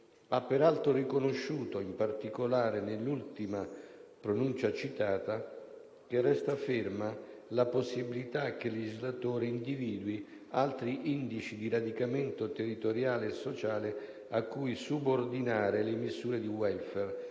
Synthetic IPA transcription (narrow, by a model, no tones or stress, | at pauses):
apːeɾalt̪ɾorikonoʃːuːt̪oimpart̪ikolaːɾenelːult̪imapɾonunt͡ʃat͡ʃit̪aːt̪a | kerːɛst̪afɪrmalaposːibilit̪ak̟ːelːed͡ʒizlat̪oːɾeind̪iviːd̪wi | alt̪ɾiʔind̪it͡ʃid̪iɾad̪ikament̪ot̪erːit̪oɾjaːleːsːot͡ʃaːle | akːujsubord̪inaːɾelemizuːɾed̪iwɛlfɛr